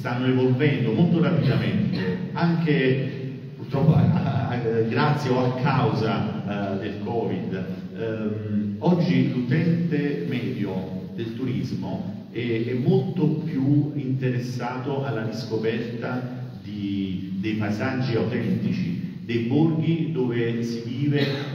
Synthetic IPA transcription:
st̪anːoevolvɛnd̪omolt̪oɾapid̪ament̪eaŋk̟e | purt̪ɾɔpːoa̰ | ɡɾat̪sːjeoakʰːawzad̪elkɔːvid̪ | mɔd͡ʒːilut̪ɛnt̪emɛːd̪jod̪elt̪uɾizmo | ɛɛmːolt̪opjuint̪eɾesːaːt̪oalːadiskopɛrt̪a | d̪id̪ejpaizad͡ʒːiawt̪ɛnt̪it͡ʃid̪ejborɡ̟id̪oːvesiviːve

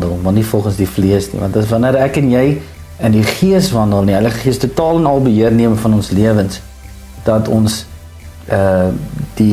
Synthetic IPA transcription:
dəlˠmɐrnifɔlˠχənsdifliəsnḭvɐ̰ntdəsvɐnəɾækənjɛj | əndiχiəsvɐndəlˠniɛjləχəχiəstutɑːlənɐlˠbəɦiərniəməfɐnɔnsliəvəns | d̥ɐtʰɔns | əd̥i

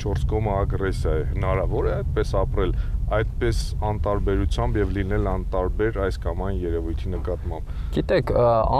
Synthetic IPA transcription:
t͡ʃʰɔɾskɔməɑɡrɛsjɑjɛhənɑɾɑvɔɾɛɑjt̪̚pɛsɑpɾɛlɑjt̪pɛsɑnt̪ɑɾbɛɾut͡sʰjɑmbjɛvlinɛlɑnt̪ɑɾbɛɾɑjskɑmɑjnjɛɾɛvujt̪ʰinəkɑt̪mɑmbɡ̥it̪ɛkʰɑ

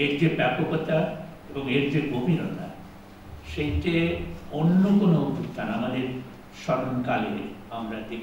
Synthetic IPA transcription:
eɾd͡ʑebɛpokot̪aeboŋeɾd͡ʑeɡobʱiɾona̰ | ʃejʈeonːokonout̪ut̪ʰanamad̪eɾ | ʃɔɾonkalḛ | amɾad̪ekʰ

